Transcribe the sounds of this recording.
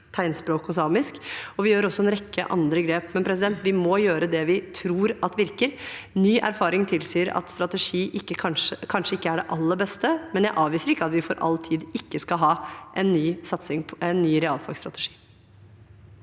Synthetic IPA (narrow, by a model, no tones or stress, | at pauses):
t̪ʰæɪnspɾoːkʊsɑːmɪskɔʋɪjøːɾɔsːɔɛnɾɛkːə̰ʔɑ̰nd̪ɾəɡɾeːpmɛnpʰɾɛs̬ɪd̪ɛnt̪ʋɪmɔjøːɾəd̪ɛʋɪt̪ʰɾuːɾɑt̪ʋɪɾkəɾnyːʔæ̰ɾfɑːɾɪŋt̪ʰɪlsiːəɾɑ̰t̪st̪ɾɑt̪ɛʂiːʔɪkːəkʰɑnʂəkʰɑnʂəɪkːəæɖɛʔɑlːəbɛst̪əmɛnjæɪʔɑːʋiːsəɾɪkːəɑt̪ʋɪfɔɾʔɑ̰lt̪ʰiːd̪ɪkːəskɑɦɑːʔɛnːyːsɑt̪sɪŋpʰɛnːyːɾɛɑːlfɑ̰ɡst̪ɾɑ̰t̪ɛʂi̥ː